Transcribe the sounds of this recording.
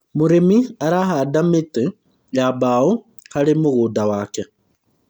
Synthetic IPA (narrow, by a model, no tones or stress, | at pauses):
muɾemiaɾaɦadamite | jabau | haɾimuɣuːdawaːkɛ